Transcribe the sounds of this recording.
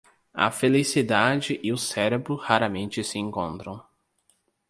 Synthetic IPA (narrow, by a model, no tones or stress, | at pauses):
ɐ̰felisid̪ad͡ʒɪʔɪʊsɛɾebɾʊhaɾɐmẽnt͡ʃɪsɪẽŋkõnt̪ɾɐ̃w̃